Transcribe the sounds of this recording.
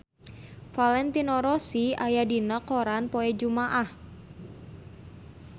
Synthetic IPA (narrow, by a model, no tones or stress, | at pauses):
falɛnt̪inoɾosiajadinəkoɾanpoɛd͡ʒumaʔah